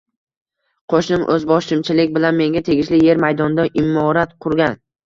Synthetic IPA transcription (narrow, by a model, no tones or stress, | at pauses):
qʰoʃnɪmʔɵzbɒʃɪmt͡ʃʰɪlɪkʲbɪlanme̞ŋɡʲat̪ʰe̞ɡʲɪʃlɪje̞ɾmajd̪ɒnd̪aʔɪmːɒɾat̪qʰʊɾɡʲan